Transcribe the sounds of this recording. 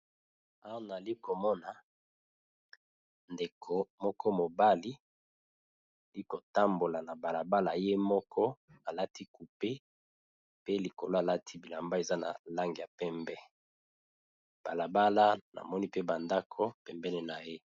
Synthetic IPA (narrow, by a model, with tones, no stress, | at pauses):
a˦wa˦na˨li˦ko˨mɔ˦na˨ | nde˨kʰo˨mɔ˦kɔ˦mo˨ba˦li˦˨ | li˦ko˨ta˦mbo˨la˨na˨ba˨la˨ba˦la˨je˦mɔ˦kʰɔ˦a˨la˦ti˦ku˨pe˦ | pe˦li˨ko˨lo˦a˨la˦tʰi˦bi˨la˨mba˦e˨za˦na̰˨la˦ŋɡi˨ja˨pɛ˦mbɛ˦ | b̥a˨la˨ba˦la˦na̰˨mɔ˦ni˦pe˦ba˨nda˦kʰo˦pɛ˨mbɛ˦ne˨na˨je˦